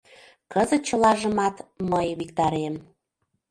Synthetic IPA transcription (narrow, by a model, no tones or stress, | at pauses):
kəzə̆t̪̚t͡ɕə̆lɑʒə̆mɑt̪məjβikt̪ɑɾem